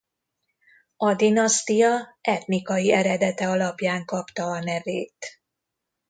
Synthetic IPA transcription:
ɒd̪inɒst̪ijɒɛt̪nikɒjiɛɾɛd̪ɛt̪ɛɒlɒpjaːŋkɒpt̪ɒːnɛveːt̪

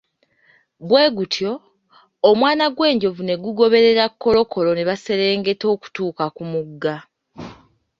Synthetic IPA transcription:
βwe̞ːɡutʰjo̞ː | mwaːnaɡwe̞ːɲɟo̞vune̞ɡuɡo̞βe̞ɾe̞ɾakːo̞lo̞kʰo̞lo̞ne̞βase̞ɾe̞ːŋɡe̞to̞ːku̥tuːkakumuɡːa

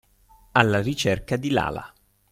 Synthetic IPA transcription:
alːarit͡ʃɛrkad̪ila̰ːla̰

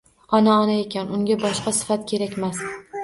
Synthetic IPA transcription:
ɒnaɒnaekʲʰanʊŋɡʲabɒʃqɑsɪ̥fat̪̚kʲʰe̞ɾakʲmas

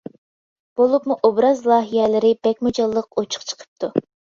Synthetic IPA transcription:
b̥olˠupmuʔobɾɑzlˠɑːɦijɛlɪɾɪb̥ɛkʲmud͡ʒɑlˠːəq̚ot͡ʃʰʊ̥qt͡ʃʰə̥qʰə̥p̚t̪ʰu

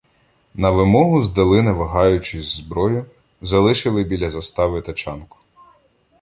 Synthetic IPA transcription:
nɐʋɪmɔɦʊzd̪ɐlˠɪnɛʋɐɦɑjʊt͡ʃɪzʲzbɾɔjʊ | zɐlˠɪʃɪlˠɪbʲilʲɐzɐst̪ɑʋɪt̪ɐt͡ʃɑnkʊ̥

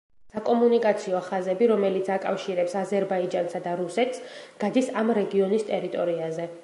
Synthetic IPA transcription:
sakʼɔmunikʼat̪sʰiɔχazɛbiɾɔmɛlit̪sʰakʼafʃiɾɛpsazɛɾbaid͡ʒansad̪aɾusɛt̪ʰsɡ̥ad̪isamɾɛɡiɔnist̪ʼɛɾit̪ʼɔɾiazɛ

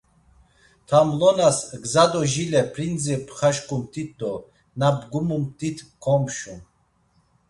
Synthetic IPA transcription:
t̪ʰamlɔnasɡzad̪ɔʒilɛpʰɾind͡zipʰχaʃkʰʼumt̪ʰit̪̚ʰd̪ɔ | nabɡumumt̪ʰit̪ʰkʰɔmpʃum

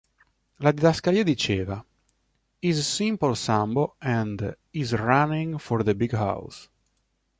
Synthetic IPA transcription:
lad̪id̪askaɾiːad̪it͡ʃeːva | izsĩmpəlsãmboɛ̃nd | izɹanĩŋfɔɾðəbiɡɦa̰ws

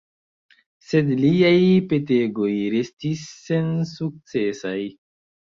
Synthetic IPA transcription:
se̞dliajpe̞te̞ɡo̞jɾe̞stisːe̞nsuk̚t͡se̞saj

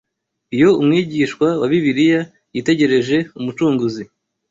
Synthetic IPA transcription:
ijo̞umŋiːɟiʃkwawaβiβiɾija | jite̞ɟe̞ɾe̞ʒe̞umut͡ʃuːŋɡuzi

